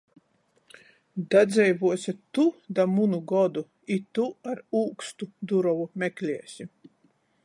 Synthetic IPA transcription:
d̪ad̪zʲɛjvuɔsʲit̪ud̪amunuɡɔd̪u | it̪uaɾuːkst̪ud̪uɾɔvumʲɛklʲiɛsʲi

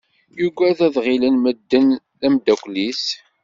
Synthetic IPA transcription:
juɡʷæðæðʁilənməd̪ːən | ðæmd̪ækʷlis

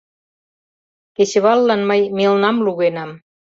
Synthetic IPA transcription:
ket͡ɕə̆βɑlːɑnməjmelnɑmluɣenɑm

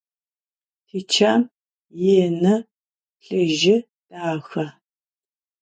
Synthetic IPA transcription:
tʰit͡ʃʰaːm | jeːnɐ | ɬɨʒɪ | tʼaːxɐ

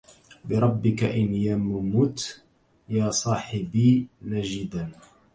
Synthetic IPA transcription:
bɪɾˤɑbːɪkaʔɪnjammʊt̪ | jaːsˤɑːħɪbiːnaʒɪd̪an

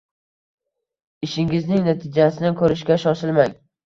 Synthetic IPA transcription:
ɪʃɪŋɪznɪŋnat̪ʰɪd͡ʒasɪnɪkʰɵɾɪʃkʲaʃɒʃɪlmaŋ

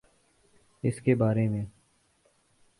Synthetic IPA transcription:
ɪskeːbaːɾeːmẽː

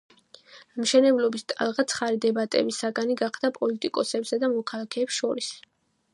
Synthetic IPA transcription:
mʃɛnɛblɔbist̪ʼa̰lˠʁat̪sʰχaɾid̪ɛbat̪ʼɛ̰bisaɡaniɡaχd̪apʼɔlit̪ʼikʼɔsɛbsad̪amɔkʰalˠakʰɛːpsʃɔɾis

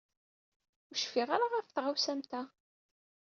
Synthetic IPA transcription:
ʊʃfiʁaɾaʁæfθʁawsæmt̪æ

